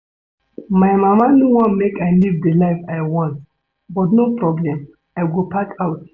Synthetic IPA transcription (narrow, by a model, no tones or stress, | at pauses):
maɪmamanuwɔ̃nmekaɪlivdəlaɪfaɪwɔ̃nt | bɔtnopɹɔblɛ̃m | ajɡopakʰaʊt